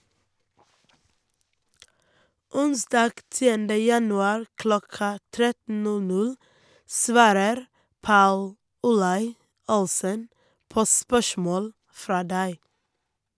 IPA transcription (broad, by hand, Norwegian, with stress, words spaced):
ˈʊnsdɑːɡ ˈtiːəndə jɑnʉˈɑːɾ ˈklɔkɑ ˈtɾɛtn̩ ˈnʉ ˈnʉɽ ˈsʋɑːɾəɾ ˈpɑʉl ʊˈlɑɪ ˈʊlssən ˈpoː ˈspœʃmoːɽ ˈfɾɑː ˈdæɪ